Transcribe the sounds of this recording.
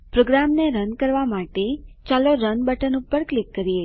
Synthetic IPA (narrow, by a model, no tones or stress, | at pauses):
pɾoɡɾamneɾənkəɾʋamaʈet͡ʃaloɾənbəʈənupəɾklikːəɾie